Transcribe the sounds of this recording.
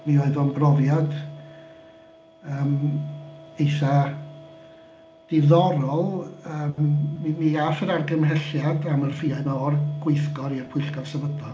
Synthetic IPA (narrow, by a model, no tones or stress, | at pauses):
mioɨðɔnbrɔvjad | əːm | ejθa | d̥ɪðɔɾɔlˠəːmːimiafəɾarɡəmhɛɬjadamərfiaɨnɔrɡ̥wɪɨθɡɔɾirpʰʊɬkɔv̥səvədɔ